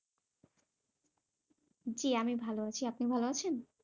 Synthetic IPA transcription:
d͡ʑiamibʱaloat͡ɕʰiapnibʱaloat͡ɕʰen

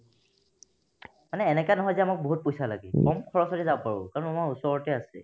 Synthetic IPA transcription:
manɛːnɛkanɔɦɔjzɛamak̚boɦut̚pojsalaɡɛkɔmkʰɔɹɔsɔtɛzabɔpaɹʊ̰kaɹɔnamaɹusɔɹɔtɛasɛ̰

